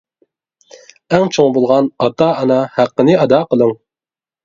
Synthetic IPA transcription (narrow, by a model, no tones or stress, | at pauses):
ɛŋt͡ʃʰoŋbolˠʁɑnɑt̪ɑɑnɑhæqːənɪɑd̪ɑːqəlˠɨŋ